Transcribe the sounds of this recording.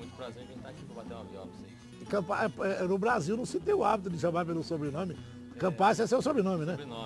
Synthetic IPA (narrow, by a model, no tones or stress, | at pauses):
ũt̪pɾazẽẽakĩvat̪ẽmɐ̰viɔ̰vɐsĩ | kɐ̃paɛpɛnʊbɾaziwnɐ̃w̃sɪt̪ẽuabit̪̬ud̪ɪʃɐ̃maɾpelʊsobɾɪnõmɪ | kɐ̃pasɛseusobɾɪnõmɪnɛ